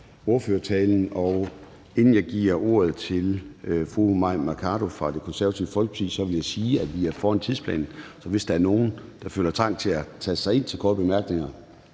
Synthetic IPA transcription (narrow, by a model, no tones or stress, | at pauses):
o̝ɐføːɐt͡sʰɛːln̩ɒʊ | e̝nn̩jɑ̈ɪɡ̥ḭɐ̰ʔo̝ːɐð̞̩ˠt͡sʰe̝lfʁumɑ̈ɪ̰mɑkʰɑ̈ːɾ̥o̝fʁɑ̈d̥e̝kʰɒ̽nsæɐʋæt͡sʰiʊəfɒlɡ̥əpʰɑ̥ḭːsɒ̽ʋe̝ljɑ̈ɪsiːæʋiæɐfɒːænt͡sʰiðˠspʰlɛ̰ːnsɒ̽ʋe̝sd̥ɑ̈æɐno̝ːn̩d̥ɑ̈fø̰ːlɐt͡sʰɑ̈ŋ̰̥t͡sʰe̝æt͡sʰæ̥sɑ̈ɪe̝n̰t͡sʰe̝lkʰɒːd̥b̥e̝mæɐɡ̥ne̝ŋɐ